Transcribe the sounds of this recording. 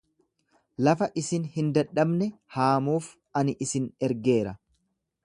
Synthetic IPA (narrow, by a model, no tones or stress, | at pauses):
lɐfɐʔɪsɪnhɪnd̪ɐᶑːɐbnɛhaːmuːf | ɐnɪʔɪsɪnɛɾɡe̞ːɾɐ